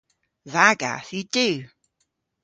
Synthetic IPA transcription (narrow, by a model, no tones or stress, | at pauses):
ðaɡa̰θjidʉ